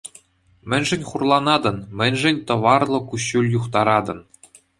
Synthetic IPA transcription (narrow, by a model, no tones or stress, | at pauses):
mʲɘ̆nʲʐɘ̆nʲχurlˠɑnɑd̪ɤ̆nmʲɘ̆nʲʐɘ̆nʲt̪ɤ̆ʋɑrlˠɤ̆kuɕːulʲjuχt̪ɑɾɑd̪ɤ̆n